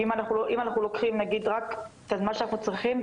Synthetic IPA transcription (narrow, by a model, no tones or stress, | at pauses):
imanaχuloʔimanaχnulokχimnaɡid̪ʁakt̪azmanʃanaχnut͡sʁiχim